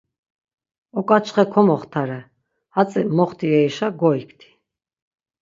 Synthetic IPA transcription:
ɔkʼat͡ʃʰχɛkʰɔmɔχt̪ʰaɾɛ | hat͡sʼɛmɔχt̪ʰiɛiʃaɡɔikʰt̪ʰi̥

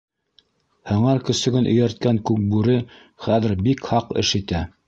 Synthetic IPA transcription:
hɤ̆ɴɑɾkɵ̆sɵ̆ɡɘnʔɵ̆jæɾt̪̚kæŋkʉk̚bʉɾɘ | χæðɘ̆ɾbikhɑqɘ̰ʃit̪æ

